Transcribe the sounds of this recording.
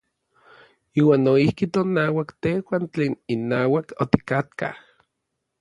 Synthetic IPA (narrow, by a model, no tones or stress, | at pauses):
iːwaːnːoihkit̪onaːwakt̪ehwant͡ɬeːninːaːwakot̪i̥kat̪̚ka̰h